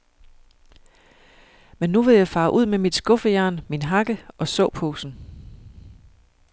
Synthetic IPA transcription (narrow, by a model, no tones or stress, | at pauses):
menːuʋe̝jɑ̈ɪfɑ̈ːʔuð̞̰ˠmemid̥sɡ̥ɔ̽fəjæɐ̰nminɦɑ̈ɡ̥əʔɒ̽sɔ̽ʊpʰoːsn̩